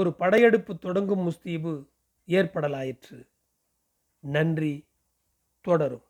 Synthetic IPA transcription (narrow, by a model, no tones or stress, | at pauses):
ɔɾɯpɐɽɐɪjɛɽɯpːɯt̪ːɔɽɐŋɡɯmːʊst̪iːbɯ | eːɾpɐɽɐlaːjɪʈrɯ | nɐndri | t̪ɔɽɐɾɯ̰m